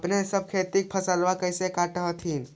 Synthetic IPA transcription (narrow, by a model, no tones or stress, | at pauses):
pnesəb̚kʰet̪ik̚pʰəsəlʋakəjsekaʈəɦət̪ʰin